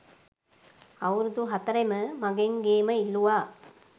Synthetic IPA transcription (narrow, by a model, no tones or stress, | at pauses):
ɐʋɾd̪uɦɐt̪ɐɾɐmɐmɐɡeŋɡeːmɐilːuʋaː